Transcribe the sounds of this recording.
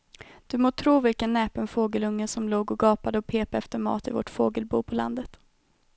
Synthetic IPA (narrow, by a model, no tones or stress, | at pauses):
d̪̥ɵmoːt̪ʰɾuːvɪlkənːɛːpənfoːɡəlɵŋːəsɔmloːɡɔɡɑːpad̪əɔpʰeːpaɛft̪əɾmɑ̰ːt̪ɪvɔ̰ʈfoːɡəlbṵːpʰɔla̰nd̪ət̪